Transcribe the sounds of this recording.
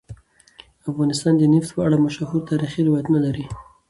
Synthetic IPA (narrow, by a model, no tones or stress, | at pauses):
afɣɑnɪst̪ɑnd̪əneft̪pəaɽamaʃahuɾt̪ɑɾixiɾɪwɑjat̪nalaɾi